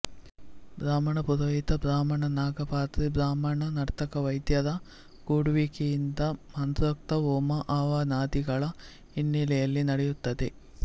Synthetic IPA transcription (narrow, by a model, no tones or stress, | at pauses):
bɾaːmɐɳɐpuðɐjit̪ɐbɾaːmɐɳɐnaːɡɐpaːt̪ɾibɾaːmɐɳɐnɐɽɐt̪ːɐkɐʋɐjd̪jɐd̪ɐ | kuːɽuʋikijind̪ɐmɐnd̪ɾɐk̚t̪ɐʋoːmɐʔaːʋanaːd̪iɡɐɭɐ | inːilɐjɐlːinɐɽejut̪ːɐt̪e